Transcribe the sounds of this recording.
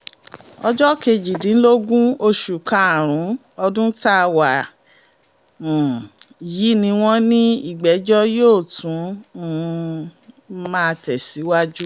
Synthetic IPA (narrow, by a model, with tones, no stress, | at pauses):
ɔ˧d͡ʒɔ˦ke˧d͡ʒi˨dĩ˨˦n̩˦lo˦ɡũ˦o˧ʃu˨kã˨a˨ɾ̃ũ˨˦ | ɔ˧dũ˦ta˦˧wa˨ | ji˨˦nĩ˧w̃ɔ̃˦nĩ˦i˦˨ɡ͡bɛ˨˦d͡ʒɔ˦joː˦˨tũ˨˦˨ | mãː˦˧˨tɛ˨si˨˦wa˦d͡ʒu˦